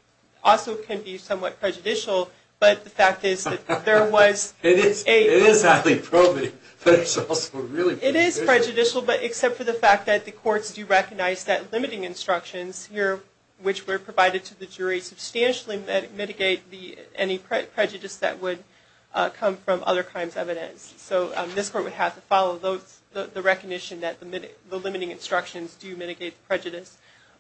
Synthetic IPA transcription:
ɔlˠsoʊkʰɨ̃nbisʌ̃mwʌt̚pʰɹ̥ɛd͡ʒɨdɪʃl̩ˠ | b̥ʌt̪̚ðɨfæk̚tɪzðɨt̪̚ðə˞wʌzɪɾɪzɪɾɪzaɪlˠipʰɹ̥obɨi | b̥ʌɾɨzɔlˠsoʊɹɪlˠiɪɾɪz̥pʰɹ̥ɛd͡ʒɨdɪʃl̩ˠbʌɾʔɨksɛp̚tfə˞ðɨfæk̚t̪̚ðɨt̪̚ðɨkʰɔɹtsd̥ɨɹɛkɨɡ̚naɪzðɨtˡlɪ̃mɨɾɪ̃ŋɨ̃nstɹ̥ʌkʃɨ̃nz̥hiɹ | wɨt͡ʃwə˞pʰɹ̥ɨvaɪɾɨd̚tʰɨðɨd͡ʒʊɹisɨb̥stæ̃nʃl̩ˠiɛmɪɾɨɡeɪt̪̚ðiɛnipʰɹ̥ɛpʰɹ̥ɛd͡ʒɨɾɨsðɨ̰ʔ̚wɨd̚ | kʰʌ̃ɱfɹʌ̃mʔʌ̰ðə˞kʰɹ̥ãɪ̃mzɛvɨɾɨ̰̃nsːoʊðɪskʰɔɹʔ̚wɨd̚ɦæftɨfɑlˠoʊðoʊ | ðɨðɨɹɛkɨɡ̚nɪʃɨ̃nðɨt̪̚ðɨmɪðəlɪ̃mɨɾɪ̃ŋɨ̃nstɹ̥ʌkʃɨ̃nzdɨmɪɾɨɡeɪt̪̚ðəpʰɹ̥ɛd͡ʒɨɾɨs

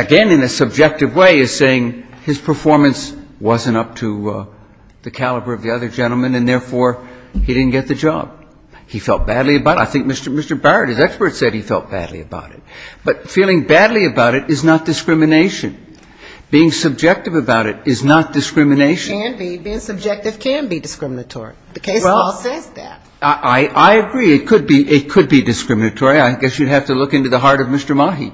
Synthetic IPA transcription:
ɨɡɛ̃nɨ̃nɨsɨb̚d͡ʒɛk̚tɨvweɪɨv̥seɪɪ̃ŋɨz̥pʰə˞fɔɹmɨ̃nswʌzɨ̃ñtʌp̚tʰɨ | ðɨkʰælˠəbə˞ʌvðiʌðə˞d͡ʒɛ̃ɾ̃l̩ˠmɨ̃nɨ̃nðɛɹfɔɹidɪdⁿn̩ɡ̥ɛt̪̚ðɨd͡ʒɑ̰b̥̚ | ifɛlˠt̚b̥ædˡliɨbaʊɾaɪθɪ̃ŋk̚mɪstə˞mɪstə˞bɛɹəɾ̚ɨzɛkspə˞tsɛd̚ifɛ̰lˠt̚b̥æ̰dˡlḭɨba̰ʊɾɨ̰t̚b̥ʌtfilˠɪ̃ŋbædˡliɨbaʊɾɨɾɨznət̚d̥ɨskɹ̥ɪ̃mɨneɪʃɨ̰̃n | b̥iɪ̃ŋsɨb̚d͡ʒɛk̚tɨvɨbaʊɾɨɾɪznət̚d̥ɨskɹɪ̃mɨneɪʃɨ̃nbibiɪ̃ŋsɨb̚d͡ʒɛk̚tɨv̥kʰɨ̃nbidɨskɹɪ̃mənɨtʰɔ̰ɹḭðɨkʰeɪswɛlˠɔlˠsɛzðæ̰t̚aʔaɪʔaɪɨɡɹiɨt̚kʰɨd̚biʔɪt̚kʰɨd̚bidɨskɹɪ̃mɨnɨtʰɔɹiaɪɡɛsjɨd̚ɦhæftɨlʊkɪ̃ntʉðəɦɑɹɾʌvmɪstə˞mɑɦḭ

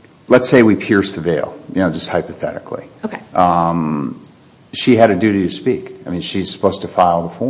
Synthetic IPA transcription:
lətseɪwipʰɪɹsðɨveɪlˠjɨnoʊd͡ʒʌst̚haɪpɨθɛ̰ɾɨ̰kʰlḭokʌ̃m | ʃiɨɾɨdʉɾiɾɨspikaɪmĩnʃiz̥sə̥pʰoʊstʰɨfaɪlˠðəfɔ

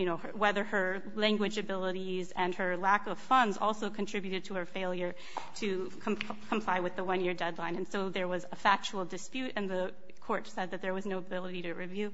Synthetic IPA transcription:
jɨñoʊ | wɛðə˞ə˞ | læ̃ŋɡwɨd͡ʒɨbɪlˠəɾizɨ̃nə˞lækʌv̥fʌ̃ndzɔ̰lˠsoʊkʰɨ̃ntʰɹ̥ɪbjʉɾɨd̚tʰəə˞feɪlˠjə˞ | ɾɨ | kʰkʰmpʰl̥aɪwɨðəwʌ̃njɪɹdɛdˡlãɪ̃nɨ̃nsoʊðə˞wʌzəfæk̚t͡ʃul̩ˠdɨspjʉɾɨ̃nðə | kʰɔɹtsɛd̪̚ðɨt̪̚ðə˞wʌznoʊəbɪlˠəɾiɾɨɹivjʉ

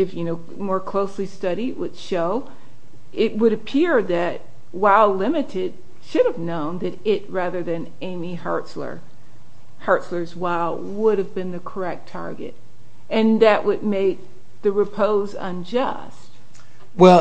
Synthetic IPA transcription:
ɨfjɨnoʊ | mɔɹkʰl̥oʊslistʌɾiʔwʔɨd̥ʃoʊ | ɪt̚wɨɾɨpʰɪɹðɨt̚ | waɪlˠlɪ̃mɨɾɪd̥̚ | ʃʊɾɨvnõʊ̃nðɨɾɪt̚ɹæðə˞ðɨ̃n | ẽɪ̃mihɑ̰˞tslə̰˞ | hɑ˞tslə˞zwaɪlˠ | wʊɾɨvbɨ̃nðɨkʰə˞ɛk̚tʰɑ̰ɹɡɨ̰ɾ | ɨ̃nðɨʔwʔɨd̚meɪk̚ | ðɨɹɨpʰoʊzə̰̃nd͡ʒʌ̰ | st̚ | wɛ

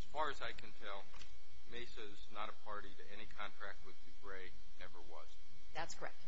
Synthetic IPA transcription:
ɨz̥fɑɹɨzaɪkʰɨ̃ntʰɛlˠ | meɪsɨznəɾəpʰɑɹɾiɾɨɛñikʰɑ̃ntʰɹ̥æk̚t̚wɨðdʉɡɹeɪ | nɛvə˞wʌ̰z̥ | ðætskʰə˞ɛ̰k̚t̚

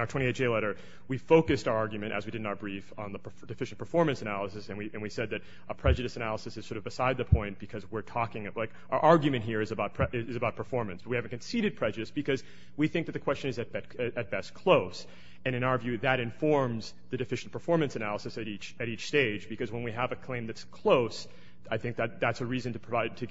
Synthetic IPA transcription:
ʊə˞tʰw̥ɛ̃ieɪtd͡ʒeɪlɛɾə˞ | wifoʊkɨstəɑɹɡjmɨ̃ñʔɨ̰zwidɨdⁿn̩aʊə˞bɹifn̩ðəpʰə˞dɨfɪʃn̩pʰə˞fɔɹmɨ̃nsɨnælˠəsɨsɨ̃nwiʔɨ̃nwisɛd̪̚ðɨɾ | əpʰɹ̥ɛd͡ʒɨɾɨsɨnælˠəsɨsɨz̥sɔɹɾʌvbɨsaɪd̪̚ðɨpʰɔ̃ɪ̃nb̥ɨkʰʌzwɪɹtʰɔkɪ̃ŋlaɪk | ə˞ʔɑɹɡjɨmɨ̃nʔɦiɹɨzɨbaʊt̚pʰɛɨzɨbaʊt̚pʰə˞fɔɹmɨ̃nsb̥ʌt̚ihæṽɨn̩kʰɨ̃n̩siɾɨd̚pʰɹ̥ɛd͡ʒɨɾɨsb̥ɨkʰʌz | wiθɪ̃ŋ̚ðɨt̪̚ɨkʰwɛst͡ʃɨ̃nɨzɨt̚b̥ɛ | ɨɨt̚b̥ɛskʰl̥oʊs | ɨ̃ɾ̃ɨ̃ñaʊə˞vjʉðɨɾɨ̃ɱfɔɹmz | ðɨdɨfɪʃn̩pʰə˞fɔɹmɨ̃nsɨnælˠəsɨsɨɾit͡ʃɨɾit͡ʃsteɪd͡ʒbɨkʌzwə̃nwiəvɨkʰl̥ẽɪ̃mðɨtskʰl̥oʊs | aɪθɪ̃ŋk̚ðɨt̪̚ðætsɨɹizɨ̃n̩tɨpʰɹ̥əvaɪd̚tʰɨ

